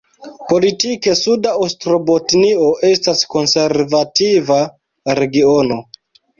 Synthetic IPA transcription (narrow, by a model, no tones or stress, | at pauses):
po̞litike̞sudaostɾo̞botnio̞ʔe̞stasko̞nse̞ɾvativa | ɾe̞ɡio̞no̞